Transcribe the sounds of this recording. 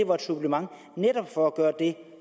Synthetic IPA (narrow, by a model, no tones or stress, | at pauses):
e̝ʋɑ̈d̥sub̥ləmɑ̈ŋ̰ | neɾ̥ɒ̽b̥fɒ̽æɡ̥ɶːɐd̥e̝